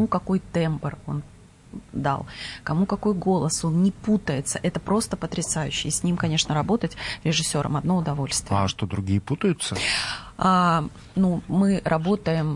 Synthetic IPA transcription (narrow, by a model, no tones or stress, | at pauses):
ukɐko̞jt̪ɛmpəro̞̰n | d̪a̰lˠkɐmukɐko̞jɡo̞lˠəso̞nnʲɪput̪əjɪt̪səʔɛt̪əpɾo̞st̪əpət̪ɾʲɪsajʉɕːɪjəsʲnʲimkɐnʲe̞ʂnəɾɐbo̞t̪ətʲɾʲɪʐɨsʲːo̞ɾʔə̰mɐd̪noʊd̪ɐvo̞lʲst̪vɪəʂt̪od̪ɾʊɡʲijəput̪əjʊt̪səa | numɨɾʔɐbo̞t̪əjɪm